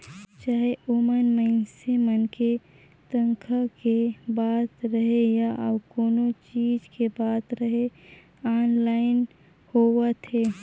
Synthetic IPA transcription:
t͡ʃaːɦeʔomənməɪnsemənke | t̪ə̃ŋkʰakebaːt̪ɾəɦejaʔəbkoːnot͡ʃiːd͡ʒkebaːt̪ɾəɦe | aːnlaːɪn | howət̪ʰe

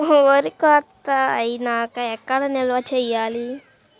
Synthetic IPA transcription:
oɾikɔːt̪ːɐɐjinaːkɐɛkːɐɽɐnɛlʋɐt͡ʃɛjːaːli

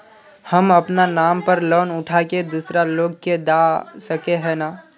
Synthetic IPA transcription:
həməpnanaːmpəɾlɔːnʊʈʰaked̪usɾaloːɡ̚ked̪asəkeɦɛnaː

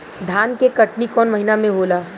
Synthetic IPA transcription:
d̪ʱaːnkekɐʈnikɔːnmɐɦinamẽboːlaː

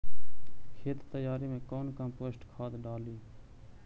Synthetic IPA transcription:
kʰeːt̪t̪əjaːɾiːmẽːkoːnkə̃poːsʈkʰaːd̪ɖaːliː

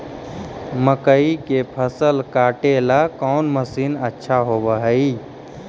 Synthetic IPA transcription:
məkəikepʰəsəlkaːʈelakɔːnməsiːnətːʃʰaɦobəɦəi

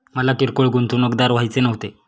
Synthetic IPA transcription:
məlakiɾkoɭɡunt̪unəɡd̪aɾʋ̤ajt͡senəʋt̪e

